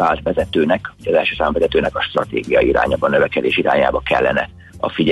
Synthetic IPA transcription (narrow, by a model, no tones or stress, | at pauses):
aːlt̪ʋɛzɛt̪øːnɛkoɟɒzɛlʃøːsaːmvɛzɛt̪øːnɛkɒʃt̪rɒt̪ḛːɡijɒiɾa̰ːɲa̰ːbɒnøvɛkɛd̪eːʃiɾa̰ːɲaːbɒkɛ̰lːɛ̰nɛ̰ | ɒ̰fiɟɛ